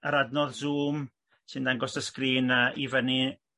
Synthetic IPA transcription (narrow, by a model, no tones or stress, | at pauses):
əɾadnɔðzuːm | sɨndaŋɡɔsəskriːnaʔivəni